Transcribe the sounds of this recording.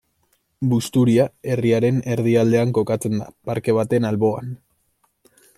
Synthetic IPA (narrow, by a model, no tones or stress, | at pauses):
bust̪uɾiae̞riaɾe̞ne̞ɾð̞iald̪e̞aŋko̞kat͡se̞nd̪a̰paɾke̞β̞at̪e̞nalβo̞an